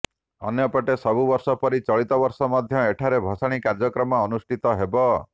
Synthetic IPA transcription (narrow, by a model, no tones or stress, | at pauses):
ɔ̰njɔpɔʈesɔbubɔɾsɔpɔɾit͡ʃɔɭit̪ɔbɔɾsɔmɔd̪ʱjɔeʈʰaɾebʱɔsaɽ̃ikaɾd͡ʒɔkɾɔmɔːnusʈʰit̪ɔɦebɔ